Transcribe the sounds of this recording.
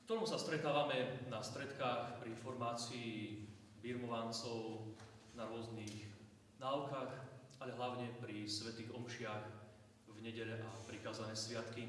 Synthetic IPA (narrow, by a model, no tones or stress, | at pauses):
kt̪ɔɾɔmsast̪ɾɛt̪aːʋamɛnast̪ɾɛt̪kaːxpɾiinfɔɾmaːt͡sii | biɾmɔʋant͡sɔʊ | naɾʊɔzniɣ | naːʊkaːxaʎɛɦlaʊɲɛpɾisʋɛt̪iːɣɔmʃɪax | vɲɛɟɛʎɛʔapɾikaːzanɛːsʋɪat̪ki